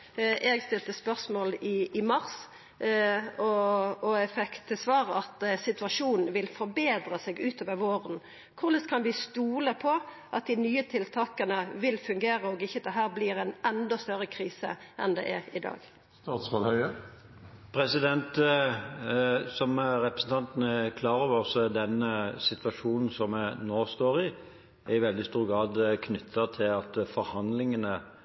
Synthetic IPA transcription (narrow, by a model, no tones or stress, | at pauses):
ʔɛɡst̪ɪlt̪əspœʁsmoːlɪːmɑʁs | ɔɔɛfɛkt̪ʰːɪsʋɑːʁəɑt̪sɪt̪ʉɑʂuːnn̩ʋɪlfɔɾbeːd̪ɾəsɛɡʉːt̪ʰoːʋəɾʋoːɾən | kʰʊʁlɪst̪kʰɑnʋɪst̪uːləpʰɔ | ʔɑt̪̚d̪ɪnyːət̪ʰɪlt̪ʰɑːkənəʋɪlfʉŋɡeːɾəɔɡɪçːəd̪ɛɦæːɾbliːɾɛnɛnd̪ɔst̪œɾəkʰʁiːsə̰ | ʔɛ̰nd̪ɛ̰ːʔɛ̰ɾɪd̪ɑ̰ːɡ | t̪ɑːt̪smɑlhœʏə | pʰɾɛsɪd̪ɛnt̪ | sɔmɾɛpɾəsn̩t̪ʰɑnt̪nəɛkʰlɑːɾɔʋsəd̪ɛnːəsɪt̪ʋɑʂuːnn̩sɔmɛnoːst̪oːʁɪ | æɪʋɛld̪ɪst̪uːɾɡɾɑːd̪kʰnʏt̪ʰːɑt̪ʰɪlɑt̪fɔɾhɑnd̪lɪŋənə